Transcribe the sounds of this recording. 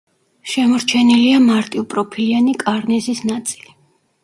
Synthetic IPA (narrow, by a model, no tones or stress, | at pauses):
ʃɛmɔɾt͡ʃʰɛniliamaɾt̪ʼiupʼɾɔpʰilianikʼaɾnɛzisnat̪sʼili